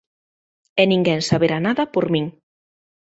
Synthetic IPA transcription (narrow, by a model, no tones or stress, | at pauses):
enĩŋɡɛŋsaβeɾanaðapoɾmiŋ